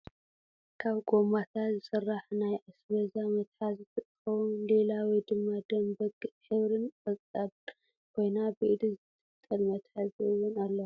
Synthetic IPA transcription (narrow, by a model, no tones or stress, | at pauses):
kʰaβɡʼo̞mat̪ʰat̪zɨsɨrːaħnajʔasβɐzamɐt̪ħazɨt̪ʰɨkʼxɐwunle̞lawid̪ɨmːad̪ɐmbɐɡɨħɨβɾɨnfʼɐt͡sʼad | kʰo̞jnabɨʔid̪izɨt̪ʰɨt̪ʼːɐlmɐt̪ħazɨɨwːʊnalːɐ